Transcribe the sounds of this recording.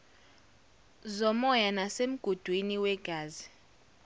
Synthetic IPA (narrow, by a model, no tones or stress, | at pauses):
zɔmɔjanasem̩ɡ̥ʱud̥ʱwiniwɛɡ̥ʱaːzi